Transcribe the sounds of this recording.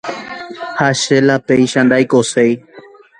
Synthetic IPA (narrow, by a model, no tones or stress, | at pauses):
haʃelapeiʃãnd̪ajkosej